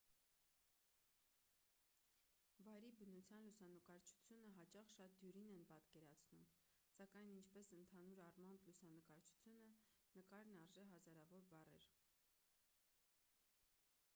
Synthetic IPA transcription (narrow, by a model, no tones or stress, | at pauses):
vɑjɾibənut͡sʰjɑnlusɑnəkɑɾt͡ʃʰu̥t͡sʰjunəɦɑt͡ʃɑχʃɑt̪̚d̪juɾinɛnpɑt̪kɛɾɑt͡sʰnumsɑkɑjnint͡ʃʰpɛsənt̪ʰɑnuɾɑrmɑmblusɑnəkɑɾt͡ʃʰu̥t͡sʰjunənəkɑɾnɑɾʒɛɦɑzɑɾɑvɔɾbɑrɛ̰ɾ